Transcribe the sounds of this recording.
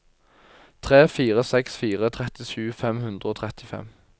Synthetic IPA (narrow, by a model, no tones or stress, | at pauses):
t̪ʰʁeːfiːʁəsɛksfiːʁət̪ʰʁɛt̪ɪʃʉːfɛmhʉnd̪ʁəoːt̪ʰʁɛt̪ɪfɛ̰m